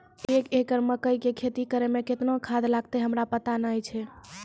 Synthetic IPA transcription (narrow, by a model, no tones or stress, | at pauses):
ekekəɾməkəjkekʰet̪ikəɾemeket̪nokʰad̪laɡ̚t̪eɦəmɾapət̪anəjt͡ʃʰɛ